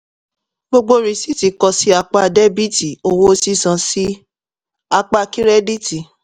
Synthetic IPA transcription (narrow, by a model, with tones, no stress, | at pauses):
bo˧ɡ͡bo˧ɾi˧si˦ti˨kɔ˧si˦a˧k͡pa˧˨de˦bi˦ti˨o˧wo˧o˧si˦sã˨si˦ | a˧k͡pa˧ki˦ɾɛ˦di˦ti˨